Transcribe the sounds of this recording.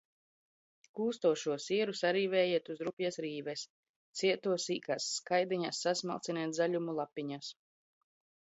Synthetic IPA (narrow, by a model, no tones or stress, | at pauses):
kuːst̪uɔʃuɔsiɛɾusaɾiːvɛːjiɛt̪uzɾupjɛsɾiːvɛs | t̪siɛt̪uɔsiːkaːsːkajd̪iɲasːasma̰lˠt̪siniːt̪zaʎʲumulˠapːiɲas